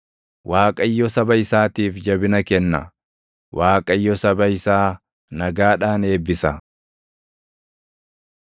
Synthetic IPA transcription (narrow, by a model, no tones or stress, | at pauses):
waːkʼɐjːɔsɐbɐɪsaːt̪iːfd͡ʒɐbɪnɐkɛnːɐ̰ | waːkʼɐjːɔsɐbɐɪsaː | nɐɡaːᶑaːne̞ːbːɪsɐ